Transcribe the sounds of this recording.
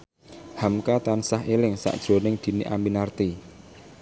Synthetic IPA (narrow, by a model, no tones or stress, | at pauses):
hamkat̪ansaɦelɪŋsa̰ʔd̥ʒ̥ɾo̤nɪŋd̪̥i̤niʔambinart̪i